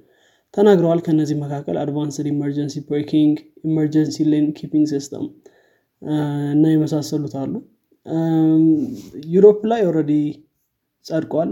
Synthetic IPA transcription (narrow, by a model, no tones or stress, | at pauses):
t̪ʰənaɡɾəwalkʰəɨnːəzːihməkʰakːəlad̪vansədiməɾd͡ʒənsibokʰiŋɡiməɾd͡ʒənsilenkʰipiŋɡsist̪ʰə̰m | ɨnːajɛməsasːəlut̪ʰalːu | juɾoplajɔɾəd̪i | sʼəd̪kʼwal